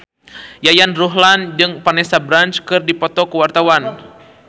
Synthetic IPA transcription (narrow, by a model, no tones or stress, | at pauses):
jajanruɦland͡ʒɨŋpanɛsabɾant͡ʃkɨrdipɔt̪ɔkəwart̪awan